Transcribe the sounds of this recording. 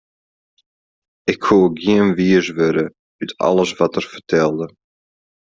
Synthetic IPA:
ɪkhuːɡiənʋiəsʋøɾə | ytʰɑ̰lˠəsʋɑtərfərtʰɛlˠdə

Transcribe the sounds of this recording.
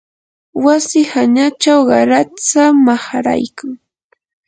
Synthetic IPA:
wasɪhaɲat͡ʃawɢɑɾat͡samahaɾa̰jkaŋ

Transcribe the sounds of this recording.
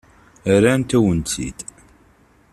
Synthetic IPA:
əɾænt̪æwənt̪ḭd̪

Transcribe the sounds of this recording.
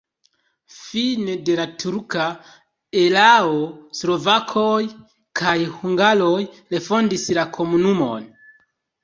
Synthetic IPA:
finede̞latʰuɾka | e̞laoslo̞vakʰoj | kʰajhuŋɡalo̞jle̞fo̞ndislakʰo̞munumo̞̰n

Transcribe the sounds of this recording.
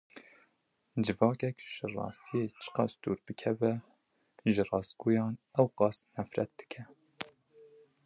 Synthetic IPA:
d͡ʒɨvɑːkɛkʒ̥ɨrɑ̰ːst̪ʰijeːt͡ʃʰɨ̥qɑsd̪̥uːɾbɨkʰɛvɛ | ʒɨrɑːsɡuːjɑːnɛwqɑːsnɛfɾɛ̰t̪̚d̪̥ɨ̥kʰɛ

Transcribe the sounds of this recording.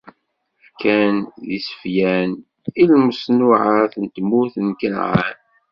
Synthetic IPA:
fkænðisə̥fjæn | ilməsnʊʕaθənt̪mʊθənkənʕa̰n

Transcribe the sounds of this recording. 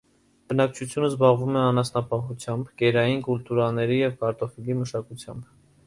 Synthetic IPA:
b̥ənɑk̚t͡ʃʰut͡sʰjunəzbɑʁvumɛɑnɑsnɑpɑχut͡sʰjɑmbɡɛɾɑjinkult̪uɾɑnɛɾijɛvkɑɾt̪ɔfiliməʃɑkut͡sʰjɑ̰mb

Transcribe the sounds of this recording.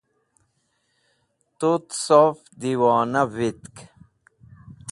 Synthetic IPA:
t̪ut̪sofd̪iwɑːnavit̪k

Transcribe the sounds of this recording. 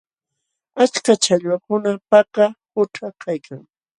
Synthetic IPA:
at͡ʃkat͡ʃaʎwakʊnapakapʊʈ͡ʂakʰajkʰaŋ

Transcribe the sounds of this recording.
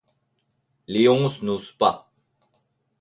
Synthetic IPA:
lioŋsnuspa

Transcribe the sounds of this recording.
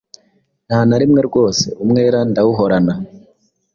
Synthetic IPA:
n̥haːnaɾimŋe̞ɾɡo̞ːse̞̰umŋe̞ːɾandawuɦo̞ɾana

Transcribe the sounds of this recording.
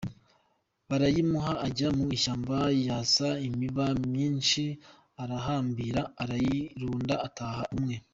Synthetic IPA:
βaɾajimuɦaʔːɟamuiʃaːmbajaːsaimiβamɲiːnʃi | aɾaɦaːmbiɾaːɾajiɾuːndaataːhaʔumŋe̞

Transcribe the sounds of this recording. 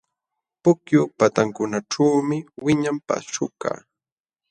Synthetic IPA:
pʊkjʊpat̪aŋkʊnaʈ͡ʂawmɪwɪɲampa̰ʃʊ̰ka̰ː

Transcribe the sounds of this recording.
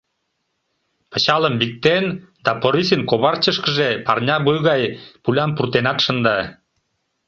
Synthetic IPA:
pət͡ɕɑləmbik̚t̪end̪ɑpoɾisinkoβɑrt͡ɕəʃkəʒepɑrnʲɑβujɣɑjpulʲɑmpurt̪enɑt̪ʃənd̪ɑ

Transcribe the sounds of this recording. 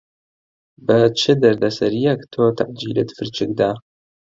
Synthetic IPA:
bɐt͡ʃʰɪd̪ɐrd̪ɐsɐɾijɐktʰoːt̪ʰaʔd͡ʒiːlɨt̪fɨrt͡ʃʰɪɡdaː

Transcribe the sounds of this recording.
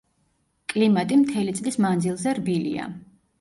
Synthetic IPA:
kʼlimat̪ʼimt̪ʰɛlit̪sʼlismand̪zilˠzɛɾbilḭa̰

